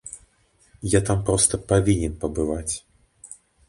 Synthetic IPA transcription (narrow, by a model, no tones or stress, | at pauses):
jat̪ampɾɔst̪ɐpavʲinʲɛnpɐbɨvat͡sʲ